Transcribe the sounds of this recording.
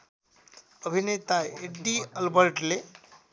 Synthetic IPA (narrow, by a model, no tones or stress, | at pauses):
əbʱinet̪aeɖiəlbəɾʈle